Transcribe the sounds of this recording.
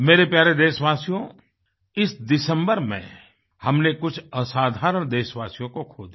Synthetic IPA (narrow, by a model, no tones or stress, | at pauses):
meːɾepjaːɾed̪eːʃʋaːsijõ | ɪsd̪ɪsə̃mbəɾmḛ̃ | hɐmnekʊt͡ʃʰəsaːd̪ʱaːɾəɳd̪eːʃʋaːsijõkokʰoːd̪